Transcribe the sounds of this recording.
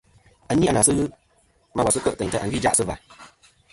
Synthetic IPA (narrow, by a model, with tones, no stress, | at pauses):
a˦ni˦a˨na˨sɨ˦ɣɨ˦ | ma˨wa˨sɨ˦kə˦ʔtɛ˨ɲtə˦˨ʔa˨ɡi˦˨d͡ʒa˦ʔsɨ˦va̰˨